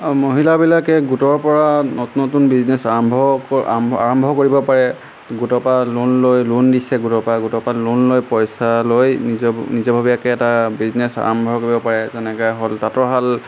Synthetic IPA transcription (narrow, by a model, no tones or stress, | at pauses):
moɦilabilakɛɡutɔɹpɔɹanotnɔtunbiznɛsaɹɔmbʱɔka̰ɹɔmbʱɔkoɹibɔpaɹɛ | ɡutɔpalunlojlundisɛɡutɔpaɡutɔpalunlojpɔjsalojnizɔnizɔbʱabijakɛːtabiznɛsa̰ɹɔmbʱɔkoɹibɔpaɹɛzɛnɛkɔɦoltatɔɦal